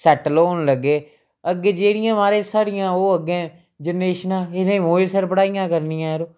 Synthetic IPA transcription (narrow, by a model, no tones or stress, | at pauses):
sɛʈloːnləɡːeː | əɡːeːd͡ʒeːɽɪjãːmaːɾẽːsaːɾɪjãːoːəɡẽː | d͡ʒənːeːʃnãːɪnẽmoːeːsəɾpəɽaːɪjãːkəɾnɪjãːɾoː